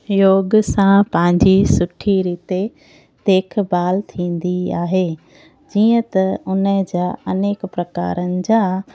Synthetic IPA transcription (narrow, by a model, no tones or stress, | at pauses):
joːɡsãpɐ̃ɦɪ̃ɲd͡ʑisʊʈʰiɾiːt̪e | d̪̥eːkʰbaːlt̪ʰĩːn̆d̪iaːɦeː | d͡ʑiːə̃t̪ɐʊnəd͡ʑaːɐneːkpɾɐka̰ːɾənɪ̆d͡ʑaː